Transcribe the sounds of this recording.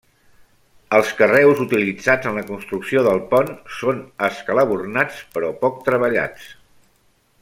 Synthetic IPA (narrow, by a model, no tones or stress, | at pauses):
əlˠskərɛwzut̪ilid͡zad͡zənləkunst̪ɾuksioðəlˠpɔnsonəskələβ̞urnat͡spəɾɔpɔk̚t̪ɾəβəʎa̰t͡s